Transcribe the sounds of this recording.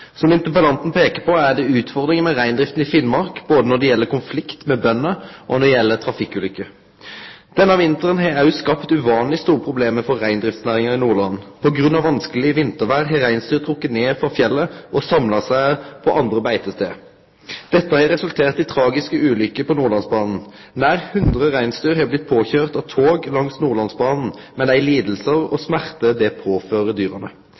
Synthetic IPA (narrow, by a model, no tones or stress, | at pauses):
sɔmɪnt̪əpəlɑnt̪n̩pʰeːkəpʰɔæd̪ɛʉːt̪fɔʁd̪ʁɪŋəmɛʁæɪnd̪ʁɪft̪n̩ɪfɪnmɑʁkboːd̪ənɔd̪ɛjɛlːəkʊnflɪkt̪mɛbœnːəʔɔ̰nɔd̪ɛjɛlːət̪ʰɾɑfɪkːʉlʏkːə | d̪̥ɛnːəɑʋɪnt̪əʁənɦɛæjʊskɑpt̪ʉʋɑːnlɪst̪uːʁpʰɾʊbleːməfɔːæɪnd̪ɾɪft̪snæːʁɪŋəɪnuːʁɭɑnpʰɔɡɾʉnɑʋɑnskəlɪəʋɪnt̪əʋæːʁɦɛɾæɪnst̪yːt̪ʰɾʊkːət̪neːfɑfjɛlːəʔɔsɑmlɑsæɪpʰɔʔɑnd̪ʁəbæɪt̪əst̪ḛː | d̪̥ɛt̪ːəhɑːɾɛsʉlt̪ʰeːʁt̪ɪt̪ʰɾɑːɡɪskəʉːlʏkːəpʰɔnuːʁɭɑnsbɑːnn̩ | næːʁhʉnd̪ʁəʁæɪnst̪yːʁɦɑːblɪt̪̚pʰoːçøːʁt̪ɑʋt̪ʰoːɡlɑŋsnuːʁɭɑnsbɑːnn̩mɛnæɪliːd̪l̩səʁɔ̰smæʁt̪əd̪ɛpʰoːføːʁəd̪yːʁənə